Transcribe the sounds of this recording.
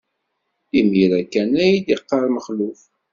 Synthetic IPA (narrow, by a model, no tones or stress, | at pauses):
imiɾækːænæjid̪iqːɑɾˤməχluf